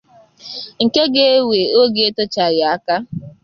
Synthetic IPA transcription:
ŋ̩˨ke˦ɡe˦e˦we˨o˦ɡe˨˦e˦to˦t͡ʃa˨ja˨a˦ka˦

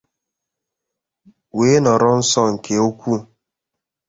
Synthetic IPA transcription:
weː˨˦nɔ˨ɾɔ˦n̩˦sɔ˦ŋ̩˨kʰe˨o˦kʷu˦

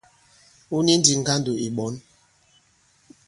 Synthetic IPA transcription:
u˦ni˦n˦di˨ŋ̩˨ɡa˦n˦do˨i˨ɓɔ˨˦n

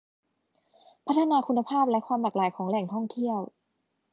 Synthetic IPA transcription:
pʰa˦˥t̪ʰːa˧naː˧kʰu˧nːa˧pʰaː˥˩p̚lɛ˦˥kʰwaː˧mlaː˨˩k̚laː˨˩˦jkʰɔː˩˦ŋlɛ˨˩ŋt̪ʰɔ˥˩ŋt̪ʰi˥˩əw

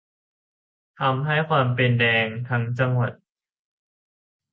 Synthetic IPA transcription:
t̪ʰa˧mɦa˥˩jkʰwaː˧mpe˧ndɛː˧ŋt̪ʰa˦˥ŋt͡ɕa˧ŋwa˨˩t̪̚

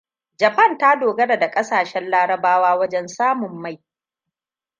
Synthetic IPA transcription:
d͡ʒɐ˨ɸɐ˦˨nta˦doː˨ɡɐ˦da˨da˨kʼɐ˦saː˨ʃɛ˦nlaː˦ɽɐ˦baː˦waː˦wɐ˦d͡ʒɛ˦nsaː˦mʊ˨mːa˦˨j

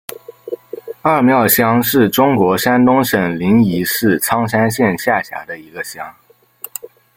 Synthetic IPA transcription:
a˞˥˩mjɑ˥˩ʊɕjɑ˥ŋʂɻ̩˥˩ʈ͡ʂʊ˥ŋkwɔ˧˥ʂa˥nt̪ʊ˥ŋʂə˨˩ŋli˧˥ni˧˥ʂɻ̩˥˩t͡sʰɑ˥ŋʂa˥nɕjɛ˥˧nɕja˥˩ɕja̰˧˥d̪ə˧i˧˥ɡə˧ɕjɑ˥ŋ

